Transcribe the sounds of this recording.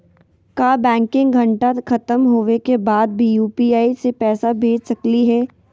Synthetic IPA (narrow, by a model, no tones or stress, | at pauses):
kaːbɛ̃ːŋkɪ̃ŋɡɡʱɐ̃ɳʈakʰɐt̪əmɦoːʋekebaːd̪̚bʱijuːpiaːisepɛːsabʱeːd͡ʒsɐkliɦɛː